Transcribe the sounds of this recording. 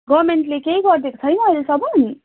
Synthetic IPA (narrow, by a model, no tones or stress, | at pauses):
ɡʌɾmeɳʈlekeɦiɡʌrd̪eko̥t͡sʰʌjnʌʌlesʌbʌni